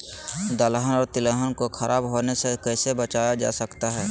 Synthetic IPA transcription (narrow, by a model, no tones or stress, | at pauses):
d̪ələɦənɔːɾt̪ɪləɦənkoxʰɐɾʔaːbɦoːnesekɛːsebɐt͡ʃaːjad͡ʒa̰ːsɐkt̪aɦɛː